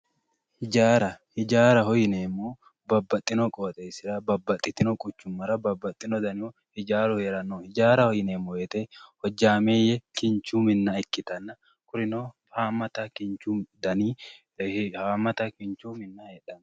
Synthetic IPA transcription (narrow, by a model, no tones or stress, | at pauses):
hɪd͡ʒaːɾɐhɪd͡ʒaːɾɐhɔjɪneːmːoː | bɐbːɐt̪ʼːɪnɔkʼoːt̪ʼeːsɪɾɐbɐbːɐt̪ʼːɪt̪ːɪnɔkʼʊt͡ʃːʊmːɐɾɐbɐbːɐt̪ʼːɪnɔd̪ɐnɪo | hɪd͡ʒaːɾɔheːɾɐnːoːhɪd͡ʒaːɾɐhɔjɪneːmːojɛt̪ehɔd͡ʒːaːmeːjɛkɪnt͡ʃuːmɪnːɐɛkːɪt̪ɐnːɐ | kʊɾɪnoː | haːmːɐt̪ɐkɪnt͡ʃud̪ɐniː | haːmːɐt̪ɐkɪnt͡ʃuːmɪnːɐheːᶑɐn